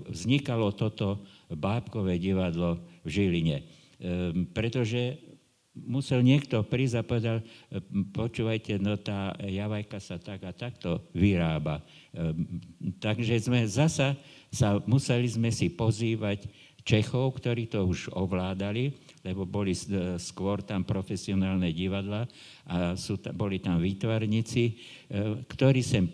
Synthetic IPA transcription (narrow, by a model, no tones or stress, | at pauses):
ʋzɲikalɔt̪ɔt̪ɔbaːpkɔʋɛɟiʋad̪lɔvʒiliɲɛ | pɾɛt̪ɔʒɛ | musɛlɲɪɛkt̪ɔpɾiːzapɔʋɛd̪alpɔt͡ʃuːʋajcɛnɔt̪aːjaʋajkasat̪aɡat̪akt̪ɔʋiɾaːba | t̪aɡʒɛzmɛzasasamusɛlizmɛsipɔziːʋac | t͡ʃɛxɔʊkt̪ɔɾiːt̪ɔuʒɔʋlaːd̪ali | lɛbɔbɔliskʋɔɾt̪ampɾɔfɛsiɔnaːlnɛɟiʋad̪la | ʔasuːt̪bɔlit̪amʋiːt̪ʋaɾɲit͡si | kt̪ɔɾiːsɛm